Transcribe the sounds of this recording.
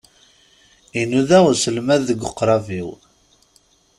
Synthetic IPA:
inuðæwsəlmæðːəɡʷʊqːɾˤɑviw

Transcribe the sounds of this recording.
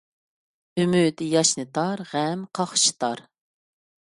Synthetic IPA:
ymyd̪ɪjɑʃnɨt̪ʰɑɾʁɛmqʰɑχʃi̥t̪ʰɑɾ

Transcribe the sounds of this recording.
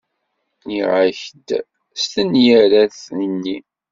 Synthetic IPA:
iʁaçəd̪ | st̪ənjæɾæθnənːi

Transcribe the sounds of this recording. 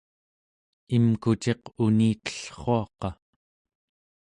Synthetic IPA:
imkut͡ʃe̞quniːt̪ə̥ɬχo̞ɑqɑ

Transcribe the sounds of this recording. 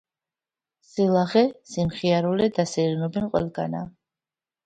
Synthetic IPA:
silˠaχɛsimχiaɾulɛd̪asiɾinɔbinqʼwɛ̰lˠɡa̰na

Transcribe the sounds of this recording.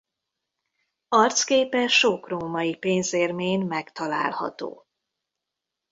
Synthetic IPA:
ɒrt̪skeːpɛʃokroːmɒjipeːnzeːrmeːɲmɛkt̪ɒla̰ːlhɒ̰t̪o̰ː

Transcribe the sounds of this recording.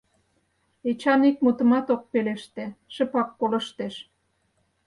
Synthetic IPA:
et͡ɕɑnik̚mut̪ə̆mɑt̪ok̚peleʃt̪eʃə̆pɑkːolə̆ʃt̪eʃ

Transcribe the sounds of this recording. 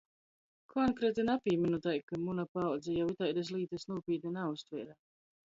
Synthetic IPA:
kʰɔnkɾeːt̪inapʲiːminut̪ajkamunapawd̪zɛjawit̪ajd̪es̬lˠiːt̪ɛsnuːpiːt̪ninaust̪vɛːɾa

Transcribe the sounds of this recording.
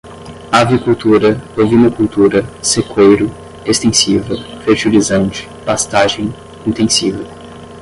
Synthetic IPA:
avikult̪uɾɐovinɐkult̪uɾɐsekwejɾʊ | est̪ẽsivɐfeɾt͡ʃilizɐ̃nt͡ʃɪ̥past̪aʒẽj̃ | ĩnt̪ẽsivɐ

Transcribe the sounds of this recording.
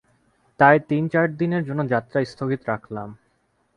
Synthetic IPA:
t̪ajt̪int͡ɕaɾd̪ineɾd͡ʑonːod͡ʑat̪ːɾast̪ʰoɡit̪oɾakʰla̰m

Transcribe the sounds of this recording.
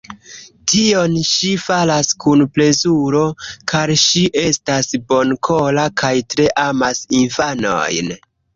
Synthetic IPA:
tio̞nʃifalaskunple̞zuɾo̞kʰaɾʃiʔe̞stasbo̞nkʰolakajtɾe̞ʔamasinfano̞̰jn

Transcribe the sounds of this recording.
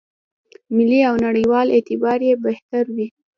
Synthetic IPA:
mɪliawnaɽəjwɑlet̪ɪbɑɾjebeht̪aɾwi

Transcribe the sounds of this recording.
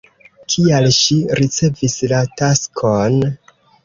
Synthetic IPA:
kʰialʃiɾit͡se̞vislataskʰon

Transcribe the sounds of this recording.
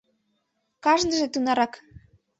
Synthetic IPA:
kɑʒnə̆ʒet̪unɑɾɑk

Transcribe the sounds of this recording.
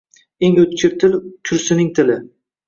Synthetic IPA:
eŋɵt̪kʲʰɪp̚t̪ʰɪlkʲʰʊɾsɪnɪŋt̪ʰɪlɪ

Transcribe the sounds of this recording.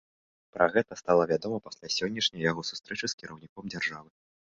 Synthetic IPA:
pɾʔaɣɛt̪ɐst̪alˠɐvʲad̪ɔmɐpasʲlʲasʲɔnʲːɐʂnʲɐjjaɣɔsu̥st̪ɾɛt͡ʂɨskʲiɾɐwnʲikɔmd͡zʲarʐavɨ

